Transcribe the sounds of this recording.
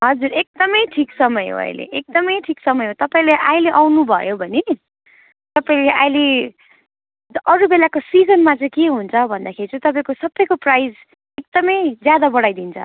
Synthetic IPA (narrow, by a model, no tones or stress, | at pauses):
ɦʌd͡zuɾek̚d̪ʌmʌjʈʰiksʌmʌjɦo̰ʌ̰jlḛʔek̚d̪ʌmʌjʈʰiksʌmʌjɦot̪ʌpãĩleʔajleʔawnubʱʌjobʱʌne | t̪ʌpaĩleʔa̰jle | ʌɾubelakosid͡zʌnmat͡sãj̃keɦunt͡sʰʌbʱʌnd̪akʰeɾit͡saj̃t̪ʌpaĩkosʌbːʌjkoprajd͡z | ek̚d̪ʌmʌjd͡zjad̪abʌɽajd̪int͡sʰʌ̰